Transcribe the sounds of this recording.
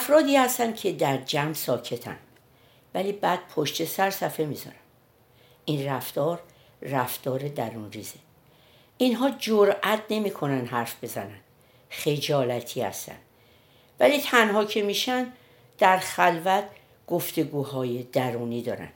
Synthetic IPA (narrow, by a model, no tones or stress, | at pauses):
æfɾɒːd̪iːhæst̪ænd̪cʰe̞d̪æɾd͡ʒæmsɒːcʰe̞t̪ʰæ̰nd̪ | væliːbæːd̪̥̚pʰoʃt̪e̞sæɾsæfe̞mizɒ̰ɾæm | ʔinræft̪ɒːɾː | æft̪ɒːɾe̞d̪æɾunriːze | ʔinɦɒːd͡ʒoɾʔæt̪ʰne̞miːkʰo̞nænd̪ɦæɾfb̥e̞zænænd̪̥ | xe̞d͡ʒɒːlæt̪ʰiːhæ̰st̪æ̰nd̪̥ | væliːt̪ʰænhɒːcʰe̞miːʃænd̪ | d̪̥æɾxælvæt̪̚ʰ | ɡ̥oft̪e̞ɡuːhɒːjed̪æɾuːniːd̪ɒ̰ːɾæ̰nd̪̥